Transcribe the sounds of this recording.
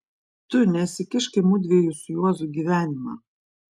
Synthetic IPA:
t̪ʊnʲɛsʲɪkʲɪʃkʲɐɪmʊd̪ʲʋʲiɛjusʊjuɔzʊɡʲiːʋʲæːnʲɪmɑ̰ː

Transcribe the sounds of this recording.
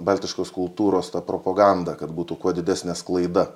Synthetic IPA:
bɐlʲt̪ʲɪʃkoːskʊlˠt̪uːɾoːst̪ɐpɾopoɡɐnd̪ɐkɐt̪buːt̪ukuɔd̪ʲɪd̪ʲæːsʲnʲɛsklˠɐɪd̪ɐ

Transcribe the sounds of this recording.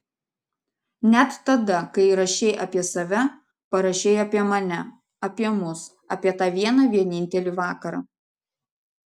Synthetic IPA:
nʲɛt̪ːɐd̪ɐkɐɪɾɐʃʲɛɪʔɐːpʲiɛsɐʋʲɛ | pɐɾɐʃʲɛɪɐːpʲiɛmɐnʲɛ | ɐpʲiɛmʊs | ɑːpʲiɛt̪ɑːʋʲiɛnɐʋʲiɛnʲɪnʲt̪ʲɛlʲiʋɑːkɐɾɑ̰ː

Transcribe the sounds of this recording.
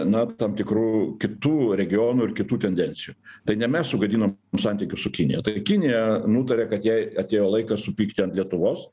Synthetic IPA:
nɐt̪ɑmt̪ʲɪkɾuːkʲɪt̪uːɾʲɛɡʲɪjoːnʊɪɾkʲɪt̪uːt̪ʲɛnʲd̪ʲɛnʲsʲɪjuːt̪ɐɪnʲɛmʲɛssʊɡɐd̪ʲiːnoːmsɐnʲt̪ʲɪkʲʊsʊkʲɪnʲɪ̰jɛt̪ɐkʲɪnʲɪjɛnuːt̪ɐɾʲeːkɐt̪jɛɪɐt̪ʲeːjoːlˠɐɪkɑsʊpʲiːkt̪ʲɪɐnt̪lʲiɛt̪ʊʋoːs

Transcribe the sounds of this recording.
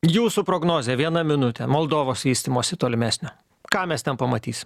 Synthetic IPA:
juːsupɾoːɡnoːzʲeʋʲiɛnɐmʲɪnʊt̪ʲɛmoːlˠd̪oːʋoːsʋʲiːsʲt̪ʲimoːsʲɪt̪oːlʲɪmʲæːsʲnʲoː | kɑːmʲɛst̪ʲɛnpɐmɐt̪ʲiːsʲɪm

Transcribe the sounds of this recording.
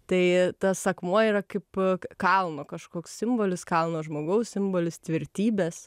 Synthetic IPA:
t̪ɐɪt̪ɐsɐkmuɔiːɾɐkɐɪpkɐlˠnoːkɐʃkoːkssʲɪmboːlʲɪskɐlˠnoːʒmoːɡɐʊssʲɪmboːlʲɪst̪ʲʋʲɪɾʲt̪ʲiːbʲeːs

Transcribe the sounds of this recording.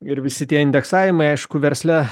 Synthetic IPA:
ɪɾʋʲɪsʲɪt̪ʲiɛɪnʲd̪ʲɛksɑːʋʲɪmɐɪɐɪʃkʊʋʲɛɾʲsʲlʲɛ

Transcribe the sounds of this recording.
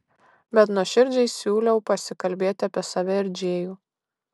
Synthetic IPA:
bʲɛt̪nuʃʲɪɾʲd͡ʒʲɛɪsʲuːlʲɛʊpɐsʲɪkɐlʲbʲeːt̪ʲɪɐpʲiɛsɐʋʲɛɪɾʲd͡ʒʲeːjuː

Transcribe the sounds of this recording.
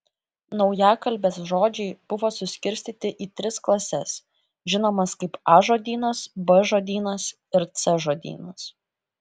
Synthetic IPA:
nɒʊjæːkɐlʲˑbʲeːsʒoːd͡ʒʲɛɪb̥ʊʋoːsʊsʲkʲɪɾʲsʲt̪ʲiːt̪ʲɪʔiːt̪ʲɾʲɪsklˠɐsʲɛs | ʒʲɪnoːmɐskɐɪpɑːʒoːd̪ʲiːnɐsbɐʒoːd̪ʲiːnɐs | ɪɾt̪sɛʒoːd̪ʲḭːnɐs

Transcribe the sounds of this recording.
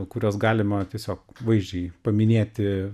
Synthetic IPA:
kʊɾʲoːsɡɑːlʲɪmɐt̪ʲiɛsʲoːkʋɐɪʒʲd͡ʒʲɛɪpɐmʲɪnʲeːt̪ʲɪ

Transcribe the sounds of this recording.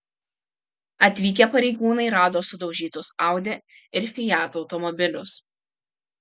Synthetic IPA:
ɐt̪ʲʋʲiːkʲepɐɾʲɛɪɡuːnɐɪɾɑːd̪oːsʊd̪ɒʊʒʲiːt̪ʊsɑˑʊd̪ʲe | ɪɾfʲɪjæːt̪uɔʊt̪ɔmɔbʲɪlʲʊs

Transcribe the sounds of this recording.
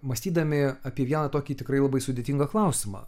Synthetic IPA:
mɐsʲt̪ʲiːd̪ɐmʲɪɐpʲiɛʋʲiɛnɐt̪oːkʲiːt̪ʲɪkɾɐɪlˠɐbɐɪsʊd̪ʲet̪ʲɪŋɡɐklˠɐʊsʲɪmɑ̰ː

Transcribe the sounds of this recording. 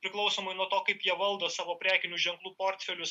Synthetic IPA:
pʲɾʲɪklˠɒʊsoːmɐɪnuɔt̪oːkɐɪpjiɛʋɐlˠd̪oːsɑːʋoːpʲɾʲæːkʲɪnʲuːʒʲɛŋklˠuːpoːɾʲt̪ʲfʲɛlʲʊs

